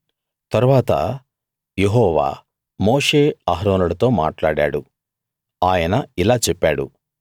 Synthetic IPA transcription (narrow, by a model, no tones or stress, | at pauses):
t̪ɐɾuʋaːt̪ɐ̰ | jeɦɔːʋa̰ː | moːʂe̞ːaɦɾoːnuɽɐt̪o̞ːma̰ːʈlaːɽa̰ːɽu | aːjɐnɐilaːt͡ʃɛpːaːɽṵ